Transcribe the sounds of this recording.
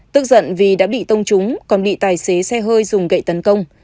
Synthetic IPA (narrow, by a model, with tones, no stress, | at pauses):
t̪ɨ˦˥k̚zə̰˧˨nvi˨˩ɗa̰ː˧˥ɓḭ˧˨t̪ə˧wŋ͡mt͡ɕʊ˨˦ŋ͡mkɔ˨˩nɓḭ˧˨t̪aː˨˩jse˨˦sɛ˧ɦəː˧jzʊ˨˩ŋ͡mɣə̰˧˨jt̪ə˨˦nkə˧wŋ͡m